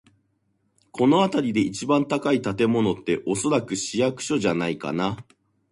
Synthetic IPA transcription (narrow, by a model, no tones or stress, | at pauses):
ko̞no̞at̪aɾʲid̪e̞it͡ɕibãnt̪akait̪at̪e̞mo̞no̞t̪ːe̞ʔo̞so̞ɾakɯ̟ɕijakɯ̟̥ɕo̞ʑanaika̰na